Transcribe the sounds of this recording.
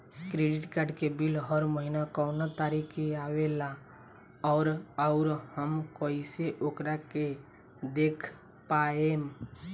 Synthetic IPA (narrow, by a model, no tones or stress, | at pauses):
kɾeɖɪʈkaɾɖkebilɦəɾməɦinakɔʊnat̪aːɾikʰːeaːwela | ɔːɾɔʊɾhəmkɔiseʔoːkɾake | d̪eːkʰ | paem